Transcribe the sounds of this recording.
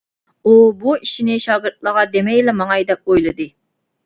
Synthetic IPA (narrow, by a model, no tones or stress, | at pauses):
ubuiʃinɪʃɑːɡɨɾt̪̚lˠəʁɑd̪emɛjlɛmɑŋɑjd̪ɛp̚ojlˠɨd̪ɨ